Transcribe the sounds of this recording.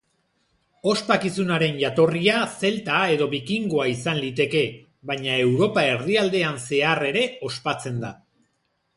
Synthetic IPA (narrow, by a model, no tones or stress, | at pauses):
o̞spakisunaɾe̞nʝat̪o̞riase̞lt̪ae̞ðo̞βikiŋɡo̞aisanlit̪e̞ke̞ | βajɲae̞wɾo̞pae̞ɾðiald̪e̞anse̞are̞ɾe̞o̞spat͡se̞nd̪a